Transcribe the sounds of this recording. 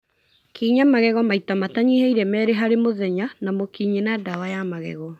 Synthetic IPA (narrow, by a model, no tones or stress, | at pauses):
kiɲamaɣɛɣɔmaitamataɲihɛiɾɛmɛːɾeɦaɾemoðɛɲanamokiːɲenadawajamaɣɛ̰ɣɔ